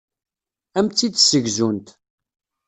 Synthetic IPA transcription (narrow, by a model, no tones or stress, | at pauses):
æmt͡sːid̪səʝzunt̪